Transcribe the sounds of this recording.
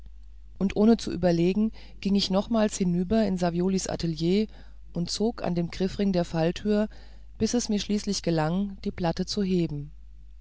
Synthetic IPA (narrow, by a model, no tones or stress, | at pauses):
ʔʊntʔoːnət͡suʔy̰ːbɐleːɡŋ̩ | ɡ̥ɪŋɪçnɔχmaːlshɪnyːbɐɪnzavjoːlisʔa̰tʰeljeː | ʔʊntt͡soːkʰa̰ndeːmɡ̥ʁ̥ɪfʁɪŋdeːɐfaltʰyːɐ | b̥ɪsɛsmiːɐʃliːslɪçɡ̥əlaŋd̥iːpl̥atət͡suɦeːbm̩